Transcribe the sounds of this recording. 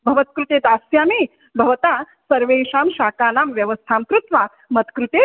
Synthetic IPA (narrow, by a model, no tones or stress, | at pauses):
bʱɐʋɐt̪̚kɾut̪eːd̪aːsjaːmeː | bʱɐʋɐt̪aː | sɐɾʋeːʃaːmʃaːkaːnaːmʋjɐʋəst̪ʰaːmkɾut̪ʋaː | mɐt̪kɾut̪eː